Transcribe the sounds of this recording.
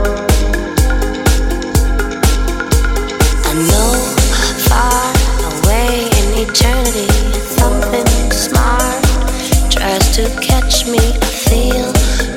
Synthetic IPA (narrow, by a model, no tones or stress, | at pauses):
aɪnoʊfɑɹəweɪɪ̃nitʰɜ˞nɨɾisʌ̃mθɪ̃ŋsmɑɹt | tʰɹ̥aɪz̥tʰɨkʰɛt͡ʃmiɨfilˠ